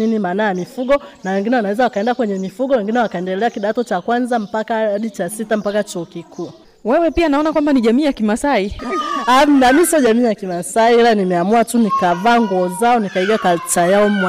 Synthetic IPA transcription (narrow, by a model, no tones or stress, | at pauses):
inimanajamifuɠɔnawɛŋɡinɛwanawɛzawakaɛndakwɛɲɛmifuɠɔwɛŋɡinɛwakaɛndɛlɛakiɗatɔt͡ʃakwanzam̩pakaaɗit͡ʃasitam̩pakat͡ʃɔːkikʰuː | wɛwɛpianaɔnakwambaniʄamiːjakimasaiam̩namisɔʄamiːjakimasaiilanimɛamuatunikavaːŋɡuɔzaɔnikaiɡakatajaɔmw